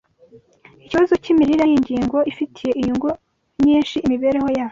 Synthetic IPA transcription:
iciβazo̞cimiɾiɾajiɲɟiːŋɡo̞ʔifitʰije̞ʔijuŋɡu | ɲiːnʃiːmiβe̞ɾeho̞jaːho

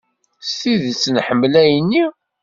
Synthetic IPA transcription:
sθiðt͡sːnħəmːlæjənːi

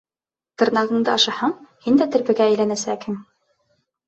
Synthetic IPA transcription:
t̪ɤ̆ɾnɑʁɤ̆ɴd̪ɤɑʃɑhɑɴhind̪æt̪ɘ̆ɾbɘ̆ɡæːjlænæsækhɘm

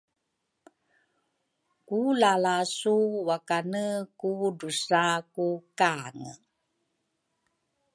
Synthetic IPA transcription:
kulalasuwakanəkudusakukaŋə

